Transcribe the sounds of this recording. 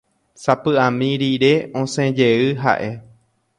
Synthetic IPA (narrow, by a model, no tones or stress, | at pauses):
sapɨãmĩɾiɾeʔõsẽd͡ʒeɨɦa̰ʔe̞